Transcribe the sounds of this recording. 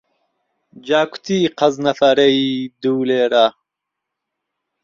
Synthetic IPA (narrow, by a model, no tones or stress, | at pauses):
d͡ʑaːkʰu̥t̪iqʰɐznɐfɐɾeid̪uːleːɾa